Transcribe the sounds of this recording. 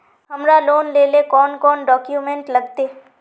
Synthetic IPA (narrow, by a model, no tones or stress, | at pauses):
ɦɐmɾaloːnleːlekɔːnkɔːnɖɔːkjumẽɳʈlɐɡt̪eː